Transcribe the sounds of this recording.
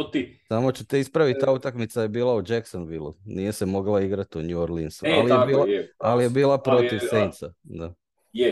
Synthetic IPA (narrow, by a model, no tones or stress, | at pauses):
samo̞t͡ɕut̪e̞ispɾaʋit̪t̪ːaːut̪akmit̪saje̞biːlˠaud͡ʒeksonʋilˠṵnije̞semo̞ɡlˠaiɡɾat̪uɲuoɾlinsua̰lijebilaalijebiːlapɾo̞t̪iʋsejnt̪sad̪a